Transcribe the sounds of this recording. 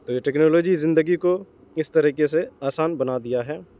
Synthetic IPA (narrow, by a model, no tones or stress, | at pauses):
t̪oːjeʈɛːknoːloːd͡ʒizɪ̃nd̪əɡiko | ɪst̪ɐɾiːkeseaːsaːnbɐnad̪ijaɦɛː